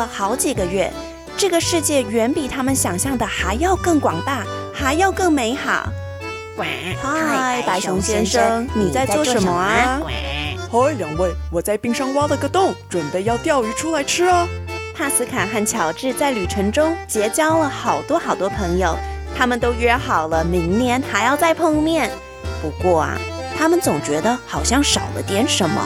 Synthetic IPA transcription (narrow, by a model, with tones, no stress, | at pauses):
xɑ˧˥ʊt͡ɕi˨˩ɡə˩ɥɛ˥˩ | ʈ͡ʂɤ˥˩ɡə˩ʂɻ̩˥˧t͡ɕjɛ˥˩ɥɛ˧˥npi˨˩t̪ʰa˥mə˨nɕjɑ˨˩ŋɕjɑ˥˩ŋd̪ə˩xa˧˥ɪjɑ˥˧ʊkɤ˥˩ŋkwɑ̰˨˩ŋt̪a˥˩xa˧˥ɪjɑ˥˧ʊkɤ˥˩ŋme˧˥ɪxɑ˨˩˦ʊ | xa˥ɪpa˧˥ɪɕʊ˧˥ŋɕjɛ˥nʂɤ˥ŋni˨˩t͡sa˥˧ɪt͡swɔ˥˩ʂə˧˥nmə˧˥ɐ˧ | o˥ljɑ˨˩ŋwe˥˩ɪwɔ˨˩t͡sa˥˧ɪpi˥˧ŋʂɑ˥ŋwɑ˥d̪ə˨˧˥ɡə˥˧t̪ʊ˥˩ŋʈ͡ʂwə˨˩npe˥˧ɪjɑ˥˧ʊt̪jɑ˥˩ʊy˧˥ʈ͡ʂʰu˥la˧˥ɪʈ͡ʂʰɻ̩˥ɐ˨p̪ʰa˥˩sɹ̩˥kʰa˨˩nxa˥˩nt͡ɕʰjɑ˨˩ʊʈ͡ʂɻ̩˥˧t͡sa˥˩ɪly˨˩ʈ͡ʂʰɤ˧˥ŋʈ͡ʂʊ˥ŋt͡ɕjɛ˧˥t͡ɕjɑ˥ʊlə˨xɑ˨˩ʊt̪wɔ˥xɑ˨˩ʊt̪wɔ˥pʰɤ˧˥ŋjo˧ʊt̪ʰa˥mə˨nt̪o˥ʊɥɛ˥˧xɑ˨˩ʊlə˦mi˧˥ŋnjɛ˧˥nxa˧˥ɪjɑ˥˧ʊt͡sa˥˧ɪpʰɤ˥˧ŋmjɛ˥˩n | pu˧˥kwɔ˥˩ɐ̰˩t̪ʰa˥mə˨nt͡sʊ˨˩ŋt͡ɕɥɛ˧˥d̪ə˧xɑ˨˩ʊɕjɑ˥˩ŋʂɑ˨˩ʊd̪ə̰˦t̪jɛ˧˥nʂə˧˥nmə̰˧